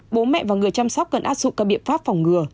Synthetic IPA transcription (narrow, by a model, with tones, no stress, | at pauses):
ɓo˨˦mɛ̰˧˨vaː˨˩ŋɨ˨˩əjt͡ɕa˧msɔ˦˥wk͡p̚kə˨˩nʔaː˦˥t̚zʊ̰˧˨k͡p̚kaː˧˩ɓḭ˧˨ənfaː˦˥p̚fɔ˨˩wŋ͡mŋɨ˨˩ə